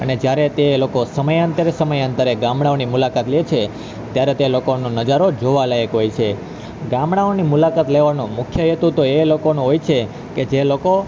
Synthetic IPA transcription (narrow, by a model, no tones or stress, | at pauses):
əned͡ʒjaɾet̪elokosəməjant̪əɾesəməjənt̪əɾeɡãmɽ̃aonimulakat̪let͡ʃʰe | t̪jaɾet̪elokonõnəd͡ʒaɾod͡ʒoʋalajəkɦojt͡ʃʰe | ɡãmɽaonimulakat̪leʋanũmʊkʰjəɦet̪ũt̪oelokonũɦojt͡ʃʰe | ked͡ʒeloko